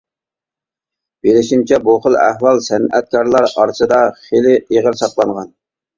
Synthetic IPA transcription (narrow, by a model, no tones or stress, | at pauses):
b̥elɪʃint͡ʃʰɛbuχəlˠæ̰hwɑlˠsɛnɛt̪̚kʰɑɾlˠɑɾɑɾsɨd̪ɑχelɪeʁəlsɑqlˠɑŋʁɑn